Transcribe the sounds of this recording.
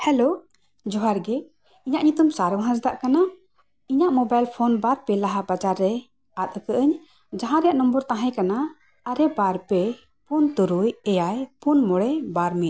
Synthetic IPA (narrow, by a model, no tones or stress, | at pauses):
hɛlo | d͡ʒɔɦaɾɡɛ | iɲaʔɲut̪umsaɾɔmɦãsd̪aʔkana | iɲaʔmɔbajlpʰɔnbaɾpɛlaɦabad͡ʒaɾːɛ | at̪̚əkəʔəɲ | d͡ʒãɦãɾɛjaʔnɔmbɔɾt̪ãɦajkanaː | ɾɛbaɾpɛ | punt̪uɾujɛjajpunmɔɽɛbaɾmɛ